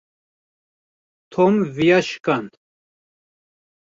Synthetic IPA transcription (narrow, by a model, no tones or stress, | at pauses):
t̪ʰomvijaʃkand̪